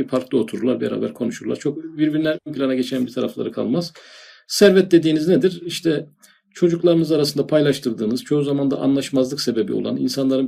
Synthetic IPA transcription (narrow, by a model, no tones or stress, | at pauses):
ifaɾklˠɯo̞t̪ʰuɾuɾlˠaɾbeɾa̰ːbæ̰ɾkʰo̞nuʃuɾlˠa̰ɾt͡ʃʰokbiɾbiɾinʲænønpʰilʲanaɟe̞t͡ʃʰænbit̪ʰaɾa̰flˠa̰ɾɯkʰa̰lˠmaz̥sæɾvɛt̪̚d̪e̞d̪iːnizned̪iɾiʃt̪ʰɛ | t͡ʃʰo̞d͡ʒuklˠaɾɯnɯzaɾasɯnd̪apʰajlˠaʃt̪ʰɯɾd̪ɯːnɯz̥t͡ʃʰo̞uzamand̪a̰ʔa̰nlˠaʃmazlˠɯkse̞be̞bḭo̰lˠanḭnsanlˠaɾɯn